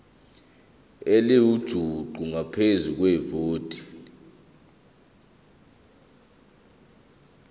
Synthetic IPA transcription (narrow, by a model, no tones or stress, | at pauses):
eliwud̥ʒ̥ʱuǃuŋapʰezuk̬wɛvoːd̥ʱʼi̥